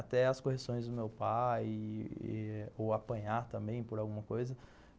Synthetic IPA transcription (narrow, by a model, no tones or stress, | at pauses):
at̪ɛɐskohesõj̃zd̪ʊmewpaj̰ | owapɐ̃ɲaɾt̪ɐ̃mbẽj̃poɾawɡũmɐkojzɐ